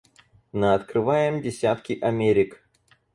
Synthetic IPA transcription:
nəɐt̪kɾɨvajɪmdʲɪsʲat̪kʲɪʔɐmʲeɾʲɪk

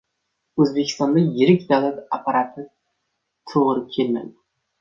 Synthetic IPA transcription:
ɵzbekʲʰɪ̥st̪ɑnd̪ajɪɾɪkʲd̪alˠat̪apʰaɾat̪ʰɨ | t̪ʰoʁəɾəkʲʰelmæ̰d̪ɪ

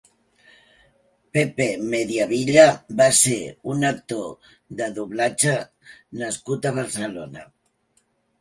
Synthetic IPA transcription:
pepemeðjaβ̞iʎabaseɾunak̚t̪o | ðaðuβlat͡ʃa | naskut̪aβ̞aɾselona̰

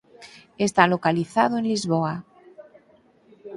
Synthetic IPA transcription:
est̪alokaliθað̞oẽnlizβoa

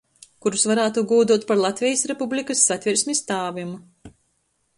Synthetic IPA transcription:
kuɾusvaɾaːt̪uɡuːd̪uɔt̪̚paɾlˠat̪ʲvʲɛjasɾɛpublʲikɐsːat̪ʲvʲiɾsʲmʲist̪aːvʲimu

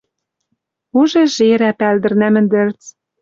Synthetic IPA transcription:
uʒĕʒeɾæpæld̪ɘ̆rnæmɘ̆nd̪ɘ̆rt͡s

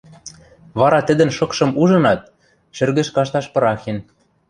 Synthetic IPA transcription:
βɑɾɑt̪ə̆d̪ə̆nʃɤ̆kʃɤ̆muʒɤ̆nɑt̪̚ | ʃɘ̆rɣɘ̆ʃkɑʃt̪ɑʃpɤ̆ɾɑxen

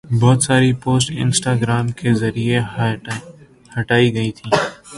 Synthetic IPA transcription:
bɔːt̪saːɾipoːsʈɪ̰nsʈaːɡɾaːmkezɐɾie | həʈaːiɡəiːt̪ʰĩː

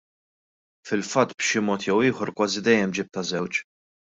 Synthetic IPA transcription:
fɪlfɐt̪ːbʃɪmɔːt̪jɛwɪːħɔɾkwɐːzid̪ɛjːɛmd͡ʒɪːp̚t̪ɐzɛwt͡ʃ

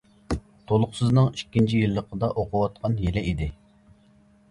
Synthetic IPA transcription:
t̪ʰolˠʊχsɨznɨŋikʲːint͡ʃʰijilˠːəqʰəd̪ɑʔoqʰʊwɑt̪̚qʰɑnjelɛʔid̪ɪ

